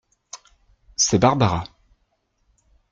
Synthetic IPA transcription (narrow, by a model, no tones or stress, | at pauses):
sɛbaʁbaʁa